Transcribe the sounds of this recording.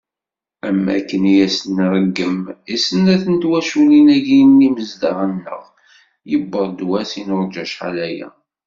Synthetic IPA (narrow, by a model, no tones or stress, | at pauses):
æmːæ̰kːənijæsənːɾˤəɡːəmisənæθənt̪wæʃuninæʝinːiməzd̪ɑɾənːə̰ʁ | jəbːəɾˤd̪wæsinoɾˤd͡ʒæʃħalæjæ̰